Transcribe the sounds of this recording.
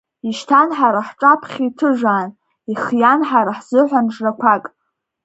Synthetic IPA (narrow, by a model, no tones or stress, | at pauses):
iʃtʰanħaɾaħʈ͡ʂʼapʰχʲitʰɨʒʷaːn | iχjanħaɾaħz̥ɨħʷanʈ͡ʂʼrakʷʰakʼ